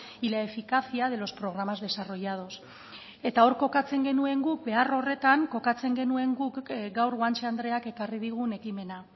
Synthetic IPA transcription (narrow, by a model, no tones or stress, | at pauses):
ilaefikaθiað̞e̞lo̞spɾo̞ɣ̞ɾamazðe̞saro̞jað̞o̞s | e̞t̪ao̞ɾko̞kat͡se̞ŋɡe̞nue̞ŋɡukbe̞aro̞re̞t̪aŋko̞kat͡se̞ŋɡe̞nue̞ŋɡukɡawɾɣwant͡ʃand̪ɾe̞ake̞kariðiɣ̞une̞kime̞na